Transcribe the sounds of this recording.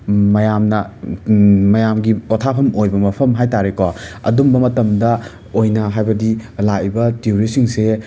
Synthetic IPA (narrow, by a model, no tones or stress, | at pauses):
mɐjamnɐ | mɐjamɡipotʰapʰɐmojbɐmɐpʰɐmɦajtaɾekɔɐ̰dumbɐmɐtɐmdɐ | ojnɐɦajbɐdilaibɐtiuɾisiŋse